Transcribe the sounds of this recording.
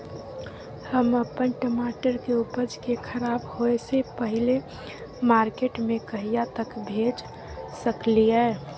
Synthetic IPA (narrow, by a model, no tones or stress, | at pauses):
həməpənʈəmaʈəɾkeupəd͡ʒkekʰəɾaːbɦoesepəɦile | maːɾkeʈmẽkəɦijat̪əkbʱed͡ʒ | səkliɛː